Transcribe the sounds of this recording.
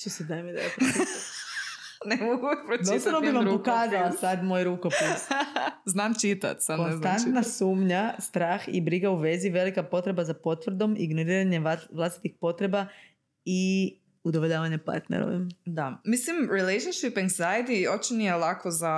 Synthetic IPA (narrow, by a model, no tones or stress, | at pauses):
t͡ʃesed̪amid̪aopot͡ʃ̪a | nemoɡupɾodt͡ʃ̪ost̪anobimammɾpokaːzalˠasad̪moːjɾuko̞pisznaːmt͡ʃit̪a̰t̪sakoneznant̪nasuːmɲast̪ɾaːxḭbɾiɡauʋe̞ziʋe̞likapo̞t̪ɾe̞bazapo̞t̪ʋr̩d̪o̞miɡno̞ɾiːɾaɲeʋlˠast̪i̥t̪ixpo̞t̪ɾe̞ba | i | ud̪oʋoʎaːʋaɲepa̰ɾt̪nḛɾo̰ʋḭmd̪amislimɾilejʃonʃipɛŋsajd̪iot͡ʃinijelakoza